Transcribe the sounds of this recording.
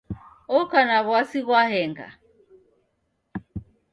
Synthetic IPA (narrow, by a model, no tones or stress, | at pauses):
ɔkanaβwasiɣwahɛŋɡa̰